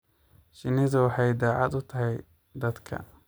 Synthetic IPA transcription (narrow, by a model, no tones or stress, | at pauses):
ʃɪnɪðɐwɑħɑjd̪aːʕɑd̪ʊt̪ʰɐɦɛj | d̪ɐd̪kʰɐ̰